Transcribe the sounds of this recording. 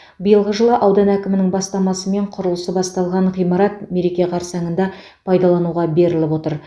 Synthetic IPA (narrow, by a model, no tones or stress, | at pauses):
bəjəlˠʁəʒəlˠəʔɑwd̪ɑnækʲɪmɪnɪŋbɑst̪ɑmɑsəme̞ɴqʰʊɾəlˠəsəbɑst̪ɑlˠʁɑɴʁijmɑɾɑt̪̚me̞ɾe̞kʲe̞qʰɑɾsɑŋənd̪ɑ | pʰɑjd̪ɑlˠɑnuʁɑbe̞ɾɪlɪpwo̞t̪əɾ